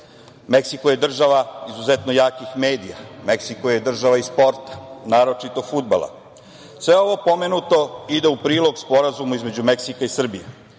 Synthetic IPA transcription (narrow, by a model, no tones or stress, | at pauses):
meksikoje̞d̪r̩ʒaʋaizuzet̪nojaːkixmeːd̪ija̰meksikojed̪r̩ʒaʋaispo̞ɾt̪ḁnaːɾo̞t͡ʃit̪o̞fud̪̚ba̰lˠa̰ | sʋe̞o̞ʋo̞po̞menut̪o̞id̪e̞upɾiːlo̞ɡspo̞ɾazumuizme̞d͡ʑumeksikaisr̩bijḛ